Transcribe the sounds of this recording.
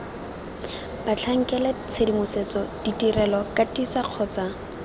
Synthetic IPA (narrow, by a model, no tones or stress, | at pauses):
bat͡ɬʰaŋ̩kɛlɛt͡sʰedimʊset͡sɔd̥itirɛlɔkatisaq͡χʰɔːt͡sa